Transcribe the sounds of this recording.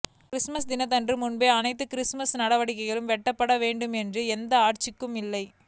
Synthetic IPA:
kɾɪsmɐsd̪ɪnɐt̪ɐndrɯmʊnbeːɐnɐɪt̪ːɯkɪɾɪsmɐsnɐɽɐʋɐɽɪkːɐɪɣɐɭɯmʋɛʈːɐpːɐɽɐʋeːɳɖɯmɛndrɯɛnd̪ɐaːʈt͡ʃɪkːɯmɪlːɐɪ

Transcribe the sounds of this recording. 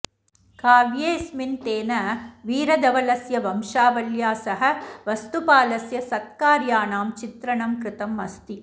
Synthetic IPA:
kaːʋjeːsmint̪eːnɐʋiːɾɐd̪ɐʋɐlɐsjɐʋɐmʂaːʋɐljaːsɐɦɐʋɐst̪upaːlɐsjɐsɐt̪̚kaːɾjaːnaːmt͡ʃɪt̪ɾɐɳɐmkɾɪt̪ɐmːɐst̪i

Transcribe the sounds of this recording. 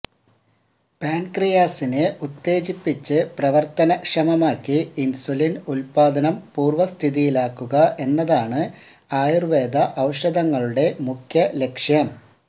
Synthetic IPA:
paːnkrijaːsinɨʔut̪ːe̞ːt͡ɕipːit͡ɕːɨprɐʋɐrt̪ɐnɐkʂɐmɐmaːkːiinsulinulpaːd̪ɐnɐmpuːrʋɐst̪ʰiðijilaːkːuɣɐʔe̞nːɐðaːɳɨ | aːjurʋe̞ːd̪ɐʔɐwʂɐd̪ɐŋːɐɭuɽe̞mukʰjɐle̞kʂjɐm

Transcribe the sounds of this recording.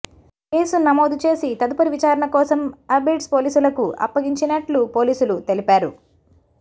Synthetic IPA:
ke̞ːsunɐmoːd̪ut͡ʃe̞ːsit̪ɐd̪upɐɾiʋit͡ʃaːɾɐɳɐkɔːsɐmɐbiʈspoːliːsulɐkuʔɐ̰pːɐɡiɲt͡ʃinɐʈlupo̞ːliːsulut̪e̞lipaːɾu

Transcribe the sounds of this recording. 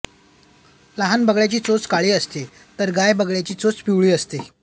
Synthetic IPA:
laɦanbəɡɭjat͡ɕiːt͡sot͡skaɭiːəst̪e | t̪əɾɡajbəɡɭjat͡ɕiːt͡sot͡spiwɭiːəst̪e

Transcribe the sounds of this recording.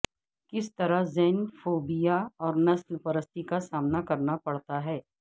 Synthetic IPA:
kɪst̪ɐɾaɦzɛːnfoːbijaɔːɾnɐslpɐɾəst̪ikasaːmnakɐɾnapɐɽt̪aɦɛː

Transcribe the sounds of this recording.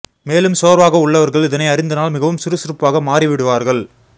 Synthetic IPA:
meːlɯmsoːɾʋaːɣɐʊɭːɐʋɐɾɣɐɭɪðɐnɐɪɐɾɪnd̪ɐnaːlmɪɣɐʋɯmsɪɾɯsɪɾɯpːaːɣɐmaːrɪʋɪɽɯʋaːɾɣɐɭ

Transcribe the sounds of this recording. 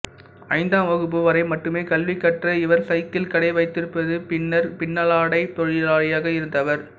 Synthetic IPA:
ɐɪnd̪aːmʋɐɣɯp̬ːɯʋɐɾɐɪmɐʈːɯmeːkɐlʋɪkːɐʈrɐɪʋɐɾsɐɪt̪ːɪlkɐɽɐɪʋɐɪt̪ːɪɾɯpːɐðɯpɪɳːɐɾpɪɳːɐlaːɽɐɪt̪ɔɻɪlaːɭɐjaːɣɐɪɾɯnd̪ɐʋɐɾ

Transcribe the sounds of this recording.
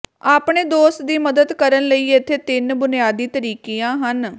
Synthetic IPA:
aːpɳeːd̪oːs̚d̪iːməd̪əd̪kəɾənləiːet̪ʰːeːt̪ɪnbʊnɪjaːd̪iːt̪əɾiːkiːãːɦən

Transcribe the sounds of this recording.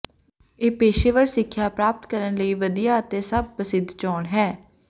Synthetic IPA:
eːpeːʃeːʋəɾsɪkʰːjaːpɾaːp̚t̪kəɾənləiːʋəd̪ijaːət̪ẽːsəb̚pəsɪd̪ʱt͡ʃɔːɳɦɛː

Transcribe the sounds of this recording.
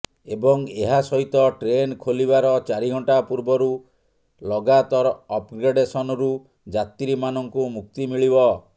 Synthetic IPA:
ebɔŋeɦasɔɦit̪ɔʈɾenkʰolibaɾɔt͡ʃaɾiɡʱɔɳʈapuɾbɔɾu | lɔɡat̪ɔɾɔɔpɡɾeɖesɔnɔɾu | d͡ʒat̪iɾimanɔŋkumuk̚t̪imiɭibɔ

